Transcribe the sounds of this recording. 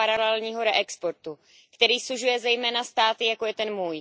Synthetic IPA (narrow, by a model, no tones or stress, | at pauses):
aɾalɛlɲiːɦo̞ɾɛʔɛkspo̞ɾt̪u | kt̪ɛɾiːsluʒujɛzɛjmɛːnast̪aːt̪ɪjakojɛt̪ɛnmuːj